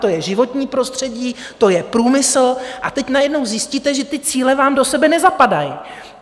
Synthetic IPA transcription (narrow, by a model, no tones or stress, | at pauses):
t̪o̞jɛʒɪvo̞t̪ɲiːpɾo̞st̪r̝̥ɛɟiː | t̪o̞jɛpɾuːmɪsl̩ʔat̪ɛcnajɛdno̞wzjɪsciːt̪ɛʒɛt̪ɪt͡siːlɛvaːmdo̞sɛbɛnɛzapadajɪ